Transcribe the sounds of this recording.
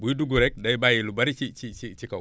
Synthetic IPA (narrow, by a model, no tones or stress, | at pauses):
buiduɡuɾɛk̚daibajelubaɾit͡ʃit͡ʃit͡ʃit͡ʃika